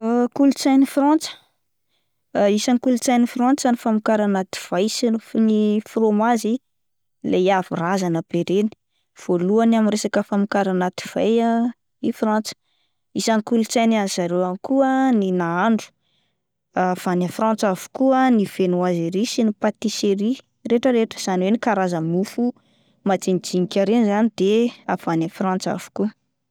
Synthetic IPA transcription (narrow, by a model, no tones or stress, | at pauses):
kulut͡sajnifrant͡sə̥ | isankulut͡sajnifrant͡sanifamukaɾanat̪i̥v̥ajsinnifromazi | leavirazanəbeɾeni̥ | v̥oluanaminɾesakəfamukaɾanat̪i̥v̥aja | ifrant͡sə̥ | isanikulut͡sajnaiz̥aɾeanikʰuəninaaɳɖ͡ʐu̥ | av̥anafrãnt͡savu̥kuəniv̥enoazeɾisinipat̪iseɾi | reʈ͡ʂəɾeʈ͡ʂə̥z̥aniwenikaɾazəmufu | mad͡zinid͡ziŋikʲaɾenizanid̪eavanafrãnt͡sa̰v̥u̥ku